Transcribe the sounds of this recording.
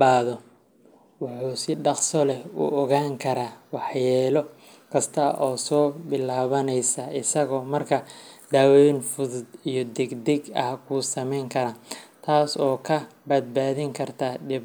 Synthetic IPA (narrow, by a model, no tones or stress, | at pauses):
baːðɔ | wʊħuːsɪɖɑqsɔlɛʊ̰ʔɔɣaːŋkʰɐɾaːwɑħjɛːlɔ | kʰɐst̪ʰɐʔɔːsɔːbɪlaːβɐnɛjsɐʔɪsɐɣɔːmɐrkʰɐd̪̥aːwɔjnfʊðʊd̪ijɔd̪ɛɡd̪ɛɡɐhkʰuːsɐmɛjŋkʰɐɾaːt̪ʰaːsɔːkʰɐbɐd̪̚baːðɪŋkʰɐrt̪ʰad̪ɪb